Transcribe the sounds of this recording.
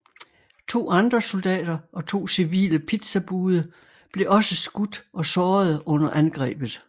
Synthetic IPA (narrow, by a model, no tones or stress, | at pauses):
t͡sʰo̝̰ːɑ̈nd̥ʁɐso̝ld̥ɛ̰ːd̥ɐʔɒ̽t͡sʰo̝̰ːsiʋḭːləpʰid̥sæb̥uːðˠə | b̥le̝ʔɒ̽səsɡ̥ud̥ʔɒ̽sɒːðˠɔ̽n̰ɐʔænɡ̥ʁɛ̰ːb̥ð̞̩ˠ